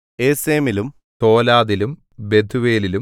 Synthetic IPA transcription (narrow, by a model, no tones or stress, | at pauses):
eːseːmilum | t̪o̞ːlaːðilum | be̞d̪ʰʱuʋeːlilu